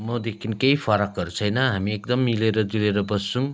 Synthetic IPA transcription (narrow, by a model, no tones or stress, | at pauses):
mɔdekinkejfpʰaɾakɐɾsajnaɦamiek̚dɐmːileɾɐdilejɾɐbɐsuŋ